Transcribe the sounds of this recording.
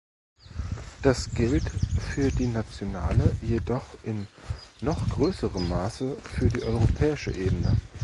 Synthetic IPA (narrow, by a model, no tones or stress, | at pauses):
d̥asɡ̥ɪltfyːɐdiːnat͡sjonaːləjedɔχʔɪnːɔχɡ̥ʁøːsəʁəmːaːsəfyːɐdiːʔɔʏʁopʰɛːɪʃə̰ʔeːbənə